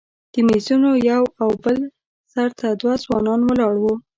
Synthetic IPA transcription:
d̪̥əmizunojawawbəl | saɾt̪ʰad̪wazwɑnɑnwəlɑɽwu

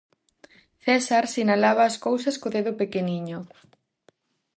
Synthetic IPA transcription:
θɛsaɾsinalaβaːskowsɐskoðeðʊpekeniɲʊ

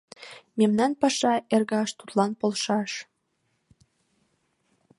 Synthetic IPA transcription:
memnɑnpɑʃɑerɣɑʃt̪ut̪lɑnpolʃɑʃ

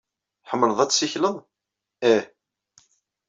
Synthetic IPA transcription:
ħəmːɾəðˤæt͡sːsiçləðˤ | æ

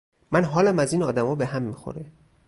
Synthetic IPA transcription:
mænɦɒːlæmæziːnɒːd̪æmɒːbe̞ɦæmːixo̰ɾe

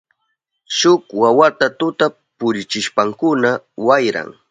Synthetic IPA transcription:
ʃʊkwawat̪at̪ʊt̪a | pʊɾɪt͡ʃɪʃpaŋkʊnawajɾa̰ŋ

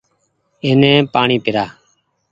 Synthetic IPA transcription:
ɪnẽːpaːɳiːpɪɾaː

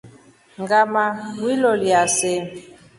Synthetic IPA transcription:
ŋɡamawiloliase

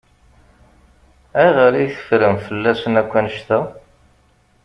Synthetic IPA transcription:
æʁəɾiθə̥fɾəmfəlːæsənækʷːænʃt̪æ

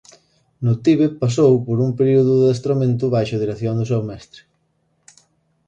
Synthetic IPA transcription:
nʊt̪iβepas̬owpoɾumpeɾiuðʊðest̪ɾomẽnt̪ʊβajʃʊðiɾeθjoŋd̪ʊs̬ɛwmɛst̪ɾɪ̥

